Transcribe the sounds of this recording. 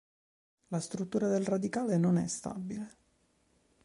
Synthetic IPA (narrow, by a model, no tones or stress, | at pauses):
last̪ɾut̪ːuːɾad̪elrad̪ikaːlenonɛ̰st̪a̰bile